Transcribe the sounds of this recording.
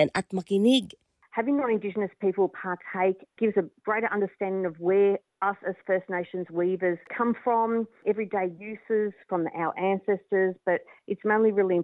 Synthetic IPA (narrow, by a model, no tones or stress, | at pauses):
ɨ̃nat̚makinɪɡ | hævɪ̃ŋnəɾɨ̃ndɪd͡ʒɨnɨspʰipl̩ˠpʰɑɹtʰeɪkɡ̥ɪvʌsɨɡ̥ɹeɪɾə˞ʔʌ̃ndə˞stæ̃ndɪ̃ŋʌvwə˞ | ʌsɨz̥fɜ˞stⁿneɪʃɨ̃nzwivə˞z̥kʰʌ̃ɱfɹə̃mɛvɹideɪjʉsɪz̥fɹʌ̃mðḭʔaʊə̰˞ʔæ̃nsɛstə˞zb̥ʌɾʔɨtsmẽɪ̃nlˠiɹɪlˠiɨ̃